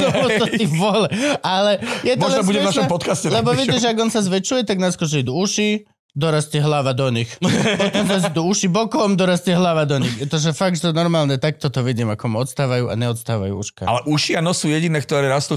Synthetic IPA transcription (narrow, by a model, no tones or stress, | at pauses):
ɔɔt̪ɔt̪iʋɔlɛalɛjɛt̪mɔlɛabuɟɛnaʃɔmpɔt̪kascɛllɛbɔʋiɟɛʒɛaɡɔnsazʋɛt͡ʃujɛt̪aɡnaskɔʒɛid̪uuʃi | d̪ɔɾast̪ɛɦlaʋad̪ɔɲixpɔt̪ɔmnazid̪uuʃibɔkɔmd̪ɔɾast̪ɛɦlaʋad̪ɔɲixɛt̪ɔʒɛfaɡ̚t͡ʃt̪ɔnɔɾmaːlnɛt̪ak̚t̪ɔt̪ɔʋiɟiːmakɔmɔt̪st̪aːʋajuʔa̰ɲɛɔt̪st̪aːʋa̰jṵːuʃka̰a̰lɛʔuʃianɔsuːjɛɟinɛːk̚t̪ɔɾɛːɾast̪uː